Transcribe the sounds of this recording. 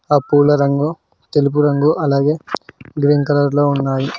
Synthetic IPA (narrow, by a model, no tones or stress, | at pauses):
ɐpːuːlɐɾɐŋɡo | t̪ɛlɪp̬ːuɾɐŋɡoʔɐlɐːɡeɡɾeːnkɐlaɾloːʊnːaːji